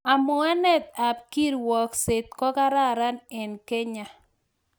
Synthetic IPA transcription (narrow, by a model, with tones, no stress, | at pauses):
a˨mʊ˦a˦nɛ˦˨t̪a˨p̚ki˦ɾwɔ˨kse˨t̪̚kɔ˦ka˦ɾa˦˨ɾa˦nɛ˨nke˦ɲa˨